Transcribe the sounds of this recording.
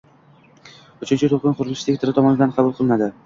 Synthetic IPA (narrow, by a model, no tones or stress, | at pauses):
ʊt͡ʃʰɪnt͡ʃʰɪt̪ʰoqɨnqʊɾlɪsst̪ekʲt̪ʰɪɾɪt̪ʰɒmɒnɪd̪anqʰɑbʊlˠqʰɨlˠɪnad̪ɪ